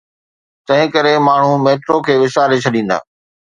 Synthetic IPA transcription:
t̪ɐ̃ɦɪ̃kɐɾemaːɳ̤umeːʈɾokʰeːʋɪʃaːɾet͡ɕʰɐɗĩːnd̪a̰ː

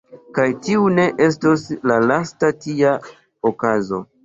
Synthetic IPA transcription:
kajtiune̞ʔe̞s̬toslalastatia | okazo̞

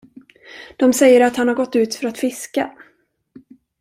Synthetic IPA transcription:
d̪̥ɔmsɛjːəɾat̪hanhaɾɡɔt̪ːʉ̟ːt̪fœɾat̪fɪska

